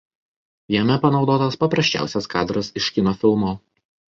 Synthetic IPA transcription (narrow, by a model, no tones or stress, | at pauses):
jɛmʲɛpɐnɒʊd̪oːt̪ɐspɐpɾɐsʲt͡ʃʲæ̰ˑʊsʲɛskɑːd̪ɾɐsɪʃkʲɪnɔfʲɪlˠmoː